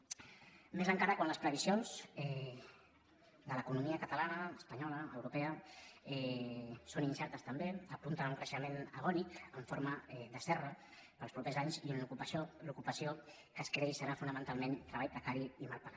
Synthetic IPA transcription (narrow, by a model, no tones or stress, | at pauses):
mezəŋkaɾəkwanləspɾəβisionzɛ | d̪ələkunumiəkət̪əlanəːspəɲɔləːwɾupɛəɛsoninsɛɾt̪əst̪əmbeəpunt̪ənauŋkɾəʃəmenəɣ̞ɔnikəɱfoɾməɛðəsɛrə | pəlˠpɾupezaɲziunukupəsolukupəsjo | kəskɾeisəɾafunəmənt̪alˠment̪ɾəβajpɾəkaɾiimalˠpəɾa